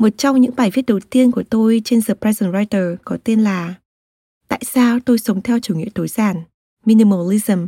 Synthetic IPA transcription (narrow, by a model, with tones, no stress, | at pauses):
mo˨˩t̚t͡ɕɔ˧wŋ͡mɲɨ̰˧˥ŋɓaː˧˩jvi˦˥ət̚ɗə˨˩wt̪i˧ənku˧˩ət̪o˧jt͡ɕe˧nzəː˨˩pɾaː˧jzə˨˩nzaː˧jt̪əː˨˩kɔ˨˦t̪e˧ənlaː˨˩ | t̪a̰ː˧˨jsaː˧wt̪o˧jsə˨˦wŋ͡mt̪ʰɛ˧wt͡ɕu˧˩ŋḭ˧˨ət̪ʰo˨˦jz̥aː˧˩n | mi˧ni˧mo˧li˧zə˨˩m